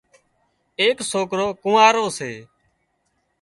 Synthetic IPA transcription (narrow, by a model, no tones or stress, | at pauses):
eːksoːkɾoːkũːaːɾoːseː